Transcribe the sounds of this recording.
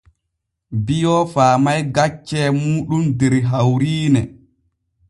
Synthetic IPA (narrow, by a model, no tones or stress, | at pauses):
bijɔfaːmajɡat͡ʃːɛmuːɗumdɛɾɦawɾiːnɛ